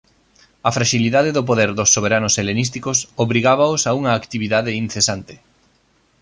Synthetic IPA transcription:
ɐfɾaʃiliðaðeðop̬oðɛɾðʊsːoβeɾanʊselenist̪ikosoβɾiɣaβaʊsauŋɐːkt̪iβiðaðeinθesant̪ɪ̥

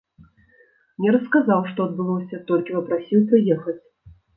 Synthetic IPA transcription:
nʲɛɾɐskazawʂt̪ɔɐd̪̚bɨlˠɔsʲɐt̪ɔlʲkʲipɐpɾasʲiwpɾɨjɛxɐt͡sʲ

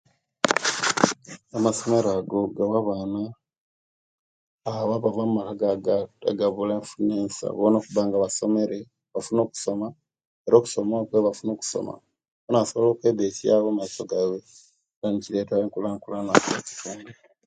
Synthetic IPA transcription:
amaso̞me̞ɾaɡo̞ɡawaβaːna | βaβavamumakaɡaɡa̰ɡaβuleːɱfuneːnsa̰ββono̞ːkuβaːŋɡaβaso̞me̞ɾe̞ | βafuno̞ːku̥so̞ma | eɾo̞ːku̥so̞makweβafuno̞ːku̥so̞̰ma̰ | βonasoβlo̞ːkwe̞ːdetja̰ːβomaiso̞ɡawe | βaɲiciletaeŋkulaŋkulanakeci̥tuːnde

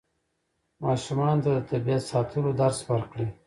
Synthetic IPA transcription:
mɑːʃumɑnd̪ət̪abijat̪sɑːt̪ʰəlod̪aɾswaɾkɽe

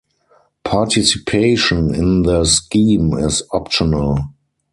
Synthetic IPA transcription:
pʰatʰisipʰeɪʃɔ̃nɪ̃nðəskĩːmɪsɔpʃɔnəl

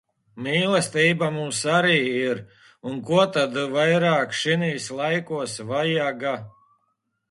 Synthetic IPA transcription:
miːlˠɛst̪iːbamumsaɾiːiɾ | unkuɔt̪ad̪vajɾaːkʃiniːslˠajkuɔsvajaɡa

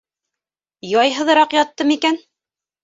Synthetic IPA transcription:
jɑjɦɤ̆ð̆ɾɑqjɑt̪ːɤmikæn

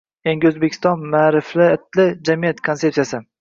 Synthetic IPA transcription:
eŋɡʲɪɵzbekʰʲɪ̥st̪ɒnmaːɾɪflɪɪt̪ʰlɪd͡ʒamijat̪kʰont̪epsijasɪ

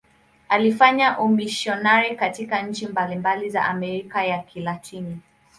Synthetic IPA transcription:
alifaɲaʔumiʃiɔnaɾikatikaɲ̩t͡ʃimbalimbaliza̰ʔamɛɾikajakʰilatʰini

